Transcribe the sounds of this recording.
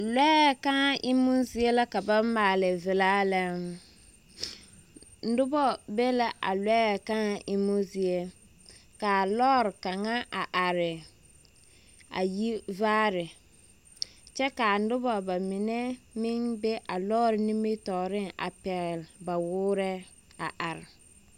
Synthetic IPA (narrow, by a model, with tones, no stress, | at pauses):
lɛ˦˨ka˦ŋa˦ʔɪ˦mʊ˦zɪ˦e˦la˦ka˨ba˦maː˨lɪ˨vɪ˨laː˦lɛ˦ | n̩˦dʊ˦bɔ˦bɛ˦la˦ʔa̰˨lɛ˦˨ka˦ŋa˦ʔɪ˦mʊ˦zi˨e˦ | ka˨lɔː˦ɾɪ˨ka˨ŋa˦ʔa˨ʔa˨ɾɪ˨ | a̰˨ji˦vaː˦ɾɪ˨ | t͡ʃɛ˦ka˨n̩˦dʊ˦bɔ˦ba˨mɪ˨nɛ˦mɪ˦ŋbɛ˦ʔa˨lɔː˦ɾɪ˨ni˦me˦tɔː˨ɾɪ˦ŋa̰˨pɛ˨ɣlba˨wʊː˦ɾɛ˦ | a̰˨ʔa˨ɾɪ˨